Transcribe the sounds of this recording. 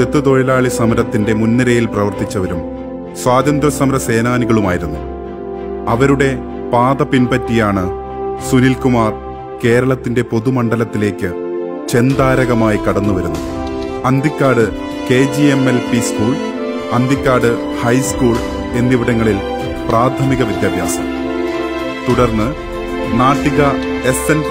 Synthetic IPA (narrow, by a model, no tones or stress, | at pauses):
t̪et̪ːɨt̪oɻɐlaːɭisɐmɐɾɐt̪ːinde̞munːɐɾɐjilprɐʋɐrt̪it͡ɕːɐʋɐɾum | swaːðɐnd̪rɐsɐmɐɾɐse̞ːnaːniɣɐɭumaːjiɾunːu | ɐʋɐɾuɽe̞ | paːðɐpinpɐtːijaːɳɨ | sunilkumaːr | ke̞ːɾɐɭɐt̪ːinde̞po̞ðumɐɳɖɐlɐt̪ːile̞ːkʲːɨ | t͡ɕe̞nd̪aːɾɐɣɐmaːjikɐɽɐnːuʋɐɾunːuɐnd̪ikːaːɽɨ | ke̞ːd͡ʑiemelpiskuːɭ | ɐnd̪ikːaːɽɨ | hɐjskuːɭ | e̞nːiʋɐɽɐŋːɐɭil | praːt̪ʰɐmiɣɐʋid̪jaːbʱja̰ːsɐm | t̪uɽɐrnːɨ | naːʈːiɣɐ | e̞sen